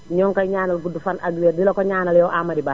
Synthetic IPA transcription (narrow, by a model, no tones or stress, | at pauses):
ɲɔːŋkajɲaːnɐlɡudufanʔaɡweːdilokoɲaːnɐljɔʔamɐdibaː